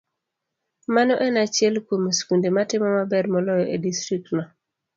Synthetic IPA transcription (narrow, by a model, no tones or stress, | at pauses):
manɔʔɛnat͡ʃɪɛlkomskundematɪmɔmabɛrmɔlɔjɔʔedistɾik̚tnɔ